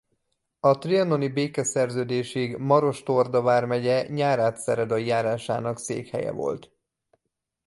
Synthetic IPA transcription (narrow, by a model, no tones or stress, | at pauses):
ɒt̪riɒno̞nibeːkɛsɛrzøːd̪eːʃiɡmɒɾo̞ʃt̪o̞rd̪ɒvaːrmɛɟɛɲaːɾaːt̪sɛ̰ɾɛd̪ɒijaːɾaːʃa̰ːnɒksḛːkhɛ̰jɛ̰vo̞̰lt̪